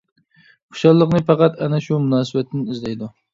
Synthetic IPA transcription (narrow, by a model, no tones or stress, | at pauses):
qʰʊ̥ʃɑlˠːəqnɨpɑqɑt̪ɛnɛʃumunɑːsɨbɛt̪ʰːɪnɪzlɛjd̪u